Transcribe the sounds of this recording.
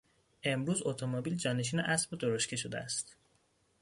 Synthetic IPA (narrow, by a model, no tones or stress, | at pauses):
e̞mɾuːzot̪ʰomobiːld͡ʒɒːne̞ʃ̬iːneʔæsbod̪oɾoʃcʰeʃod̪eæst̪